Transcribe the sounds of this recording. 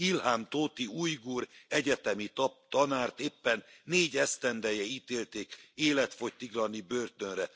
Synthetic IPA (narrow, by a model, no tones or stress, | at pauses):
ilhaːmt̪oːt̪iujɡuːɾɛɟɛt̪ɛmit̪t̪ɒnaːrt̪eːpːɛnːeːɟɛst̪ɛnd̪ɛjɛiːt̪eːlt̪eːkeːlɛt̪fo̞ct̪ːiɡlɒnibøːrt̪ønrɛ